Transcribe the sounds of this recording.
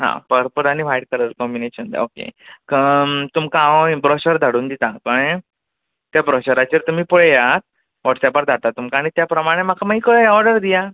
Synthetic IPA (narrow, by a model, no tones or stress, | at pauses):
ɦã̰pəɾpəɾañiʋajɽ̚kəɾəɾkɔmbineɕənd̪a̰okḛkət̪umkãbɾɔɕəɾd̪ʱaɽuːnd̪it̪akəɳ | t̪jabɾɔɕəɾat͡ɕeɾt̪um̤iːpuɽejat̪̚ | ʋɔʈsapəɾd͡z̪ʱat̪at̪ːumkaːɽ̃it̪japɾəmaɽ̃em̤akʰamaɦikəɭɔɾɖəɾd̪ija